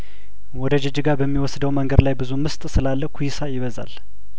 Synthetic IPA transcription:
wɔd̪əd͡ʒɛd͡ʒiɡaɾbəmːiwɔsd̪əwməŋɡəd̪lajbɨzumɨst̪ʼsɨlalːəkʰujisajɪβəza̰l

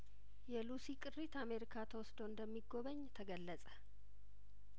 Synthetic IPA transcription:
jɛlusikʼɨrːit̪ameɾikʰat̪ʰəwɔsd̪oɨnd̪əmːiɡo̞βəɲːt̪ʰəɡəlːət͡sʼə̥

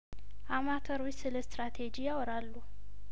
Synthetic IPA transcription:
ʔamat̪ʰəɾujsɨləst̪ɾat̪ʰed͡ʒijawɔɾalːu

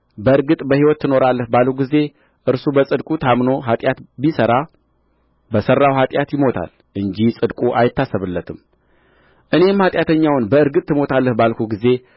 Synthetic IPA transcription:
bəɨɾɡɨt̪ʼbəhiwɔt̪ːɨno̞ɾalːəhbaluɡize̞ | ʔɨɾsubəsʼɨd̪kʼut̪ʰamno̞ɦat̪ʼjat̪bisəɾa | bəsərːawɦat̪ʼjat̪jɪmo̞t̪ʰa̰l | ʔɨɲd͡ʒisʼɨd̪kʼuʔajɪt̪ːasːəβɨlːət̪ʰɨm | ʔɨne̞mhat̪ʼjat̪ʰəɲːawnbəɨɾɡɨt̪ːɨmo̞t̪ʰalːəhbalkʰuɡize̞

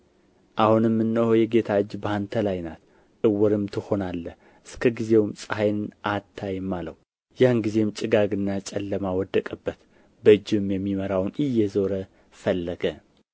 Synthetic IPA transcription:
ʔahunɨmːɨnːəhojɛɡe̞t̪ʰaɨd͡ʒbant̪ʰəlajna̰t̪ | ɨwɔɾɨmt̪ʰɨho̞nalːə | ʔɨskʰəɡize̞wmsʼəhajnɨnʔat̪ʰːajɨmːalə̰wu | janɡize̞mt͡ʃʼɨɡaɡɨnːat͡ʃʼɛlːəmawɔd̪əkʼəbːət̪ | bəɨd͡ʒːɨɨmjɛmːiməɾawnɨjːɛzo̞ɾə | fəlːəɡə

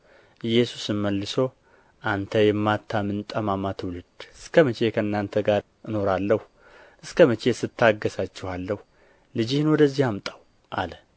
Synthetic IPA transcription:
ʔɨjːɛsusɨmːəlːɨso̞ | ʔant̪ʰəjɛmːat̪ʰːamɨnt̪ʼəmamat̪ʰwulɨd̪̥ɨskʰəmət͡ʃʰe̞kʰəɨnːant̪ʰəɡaɾ | ɨno̞ɾalːəhu | ʔɨskəmət͡ʃʰe̞sɨt̪ʰːaɡːəsat͡ʃːɛhalːəhu | lɨd͡ʒihnwɔd̪əzːihamt̪ʼaw | ʔalə

